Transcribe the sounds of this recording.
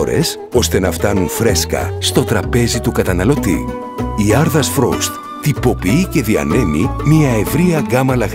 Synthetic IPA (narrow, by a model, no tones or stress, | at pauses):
ɾe̞̰s | o̞st̪e̞nɐft̪ɐnunfɾe̞skɐ̰st̪o̞t̪ɾɐpe̞zit̪ukɐt̪ɐnɐlo̞t̪ḭ | iɐɾðɐsfɾo̰st̪ | t̪ipo̞piice̞ðiɐ̰ne̞mimiɐevɾiɐɡɐmɐlɐɣ